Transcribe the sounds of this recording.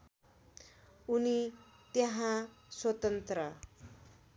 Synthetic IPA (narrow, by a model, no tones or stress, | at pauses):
uni | t̪jʌɦãswʌt̪ʌnt̪rʌ